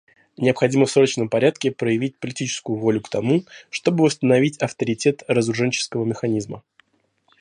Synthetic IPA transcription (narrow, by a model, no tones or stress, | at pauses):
nʲɪəpxɐdʲiməfsot̪ət͡ɕnəmpɐɾʲat̪kʲɪpɾəjɪvʲit̚ʲpəlʲɪtʲit͡ɕɪ̥skʊjʊvo̞lʲʊkt̪ɐmuʂt̪o̞bɨvəst̪ənɐvʲitʲɐft̪əɾʲɪtʲe̞t̪rəzɾʊʐɛnʲt͡ɕɪ̥skəvəmʲɪxɐnʲizmə